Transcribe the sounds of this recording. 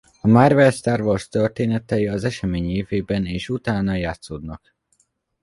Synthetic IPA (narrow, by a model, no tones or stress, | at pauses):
ɒmaːrvɛlst̪aːrvorst̪ørt̪eːnɛt̪ɛjiɒzɛʃɛmeːɲeːveːbɛneːʃut̪aːnɒjaːt̪soːd̪nɒk